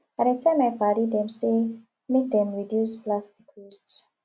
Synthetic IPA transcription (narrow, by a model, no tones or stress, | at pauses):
aɾatʰɛ̃majpaɾid̪ɛ̃mse | mek̚d̪ɛ̃mɹidjusplasti̥kusts